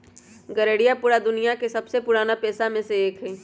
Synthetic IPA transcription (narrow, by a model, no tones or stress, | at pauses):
ɡɐɾeːɽijapʊːɾad̪ʊnijakesɐbsepʊɾaːnapɛːsamẽseeːkɦɛː